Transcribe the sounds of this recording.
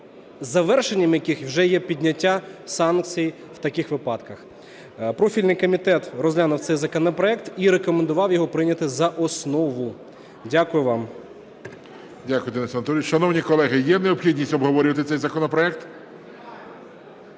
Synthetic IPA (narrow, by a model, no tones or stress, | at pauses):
zːɐʋɛrʃenʲːɐmjɐkɪxwʒɛjɛpʲidʲnʲɐtʲːasɑnk̚t͡sʲij | w̥t̪ɐkɪxʋɪpɑd̪kɐx | pɾɔfʲilʲnɪjkɔmʲit̪ɛt̪rɔzlʲanʊwt̪sɛjzɐkɔnɔpɾɔɛk̚t̪iɾekɔmend̪ʊʋɑwjɔɦɔpɾɪnʲɐt̪ɪzɐʔɔsnɔʋʊ | dʲakʊjʊʋɑm | dʲakʊjʊd̪ɪnɪsɐnɐt̪ɔɾʲt͡ʃʃɐnɔwnʲikɔlˠɛɦɪjɛneɔpxʲidʲnʲisʲtʲɔbɦɔʋɔɾʲɪʋɐt̪ɪt̪sɛjzɐkɔnɔpɾɔɛk̚t̪